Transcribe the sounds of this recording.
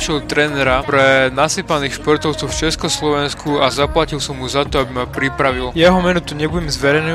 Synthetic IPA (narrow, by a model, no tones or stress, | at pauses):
ʃɛlt̪ɾɛnɛɾapɾɛnasiːpaniːxʃpɔɾt̪ɔʊt͡sɔʊft͡ʃɛskɔslɔʋɛnskʰuazaplacilˠsɔmɦuzat̪ɔabimapɾipɾaʋilˠjɛɦɔmɛnut̪uɲɛbuɟɛmzʋɛɾɛjnɛ